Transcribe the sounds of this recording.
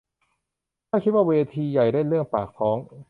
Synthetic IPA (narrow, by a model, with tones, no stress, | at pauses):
aː˥˩kʰi˦˥waː˥˩weː˧t̪ʰiː˧ja˨˩jɾe˥˩nlɯ˥˩əŋpaː˨˩k̚pʰɔː˦˥ŋ